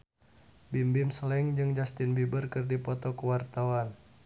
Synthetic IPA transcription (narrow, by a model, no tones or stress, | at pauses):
bimbimsəlɛŋd͡ʒɨŋd͡ʒast̪ɪnbibərkɨrdipɔt̪ɔkəwart̪awan